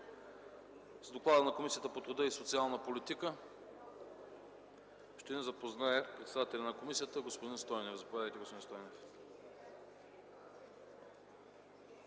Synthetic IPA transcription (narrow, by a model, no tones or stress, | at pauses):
zd̪oklˠad̪ənɐkomisijət̪əpot̪ɾud̪əisot̪sialˠnəpolit̪ikə | ʃt̪ɛnɛzɐpoznaɛpɾɛt̪sɛd̪at̪ɛlʲɐnɐkomisijət̪əɡospod̪inst̪ɔjnɛfzɐpovʲjaðəjt̪ɛɡospod̪inst̪ɔjnɛf